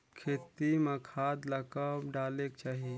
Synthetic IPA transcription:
kʰeːt̪iməkʰaːd̪ləkəɖaːlek̚t͡ʃaːɦi

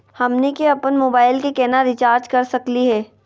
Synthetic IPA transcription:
hɐmnekeɐpənmoːbaːɪlkekɛːnaɾɪt͡ʃaːɾd͡ʒkɐɾsɐkliɦɛː

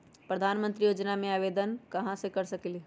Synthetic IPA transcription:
pɾəd̪ʱaːnmə̃nt̪ɾijoːd͡ʒnamẽaːʋeːd̪ənkɐɦãsekɐɾsɐkeli

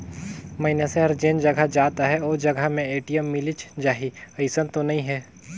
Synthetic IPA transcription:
mɐɪnjaseɦɐɾd͡ʒeːnd͡ʒɐɡʱad͡ʒaːt̪aɦɛoːd͡ʒɐɡʱamẽeːʈijəmːɪlɪt͡ʃd͡ʒaːɦiɐɪsə̃nt̪onɐɦĩɦɛː

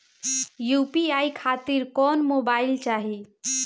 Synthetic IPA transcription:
jupiaːikʰat̪iɾkɔːnmobaːɪlt͡ʃaɦi

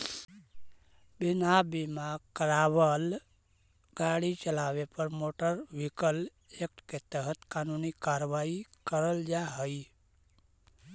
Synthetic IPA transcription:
binabimaɡkəɾabəl | ɡaɽit͡ʃəlaβepəɾmoʈəɾbʱikəl | ek̚ʈket̪əɦət̪kanunikaɾʋaikəɾəld͡ʒaɦəj

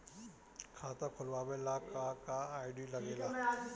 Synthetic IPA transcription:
kʰaːt̪akʰʊlʋaːbelaːkakaːaːɪɖiːlɐɡelaː

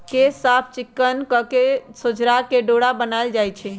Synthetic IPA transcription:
kesapʰt͡ʃikːənkəkesod͡ʒɾakeɖoɽabənaɪld͡ʒajt͡ʃʰɛ

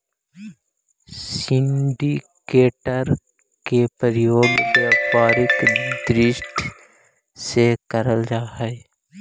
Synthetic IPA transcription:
sɪ̃ɳɖikeːʈəɾ | kepəɾɪjoːɡbjaːpaːɾɪkd̪ɾɪʃʈʰ | sekəɾəld͡ʒaːɦɛ

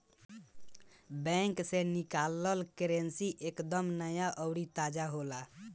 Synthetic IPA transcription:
bɛ̃ŋksenikaləlkeɾensiʔekd̪əmnəjaʔəʊɽit̪ad͡ʒaɦola

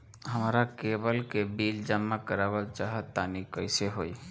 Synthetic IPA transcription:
ɦəmɾakebəlkebild͡ʒəmːakəɾabət͡ʃaɦət̪ːanikəɪseɦoj

